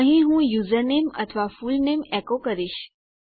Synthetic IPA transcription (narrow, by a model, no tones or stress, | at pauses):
əɦĩɦũjuzəɾnemə̰t̪ʰəʋafulnemɛkokəɾiʃ